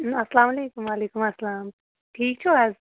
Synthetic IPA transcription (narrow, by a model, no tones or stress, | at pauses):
ɐsɐlaːmɐleːkumʋaːleːkumɐsɐlaːm | ʈʰiːk̚t͡ʃʰuaz